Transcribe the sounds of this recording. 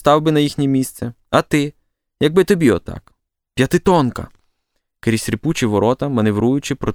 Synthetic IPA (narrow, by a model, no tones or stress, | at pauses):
st̪ɑwbɪnɐjixʲnʲimʲist̪sɛɐt̪ɪ | jɐɡ̚bɪt̪ɔbʲiɔt̪ɑ̰k | pʲjɐt̪ɪt̪ɔnkɐ̰ | keɾʲisʲɾʲɪput͡ʃɪʋɔɾɔt̪ɐmɐneʋɾujʊt͡ʃɪpɾɔ